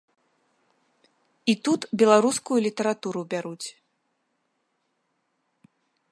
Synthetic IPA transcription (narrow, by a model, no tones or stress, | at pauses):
it̪ut̪bʲɛlˠaɾuskujulʲit̪ɐɾat̪uɾubʲaɾut͡sʲ